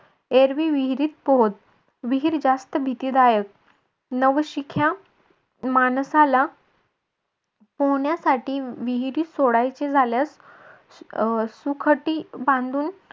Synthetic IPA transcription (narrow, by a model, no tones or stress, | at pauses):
eɾʋiʋiɦɾiːt̪̚poɦt̪̚ | ʋiɦiːɾd͡zast̪əbʱit̪iːd̪ajək̚ | nəʋɕikʰja | mansala | poɳjasaʈiːʋiɦiɾiːsoɽajt͡sed͡zʱaljas | sukʰəʈiːbãnd̪uːn